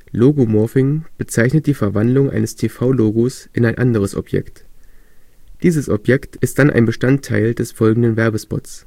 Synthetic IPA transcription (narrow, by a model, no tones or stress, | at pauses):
loːɡomɔɐfɪŋb̥ət͡saɪçnət̚d̥iːfɛɐvandlʊŋʔa̰ɪnəstʰeːfaʊloːɡosʔɪnaɪnʔandəʁ̞əsɔ̰pjɛ̰kt | d̥iːzəsʔɔ̰pjɛktɪst̚d̥anʔa̰ɪnbəʃtantʰːa̰ɪldɛsfɔlɡŋ̩dənvɛɐbəspɔ̰tt͡s